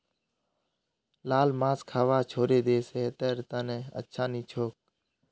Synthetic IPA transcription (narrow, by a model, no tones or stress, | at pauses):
laːlmãːskʰaːʋaːt͡ʃʰoːɾeːd̪eːset̪əɾt̪əneːə̰tːʃʰaːniːt͡ʃʰoːk̚